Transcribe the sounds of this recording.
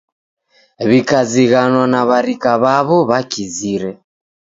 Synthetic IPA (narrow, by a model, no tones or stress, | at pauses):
βikaziɣanwanaβaɾikaβaβɔβakiziɾɛ